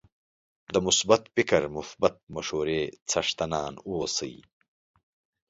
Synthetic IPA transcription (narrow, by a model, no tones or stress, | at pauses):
d̪əmʊsbɐt̪pikɐɾmʊsbɐt̪̚mɐʃhoːɾeːt͡sʰɐʂt̪ɐnaːnusɨ̰j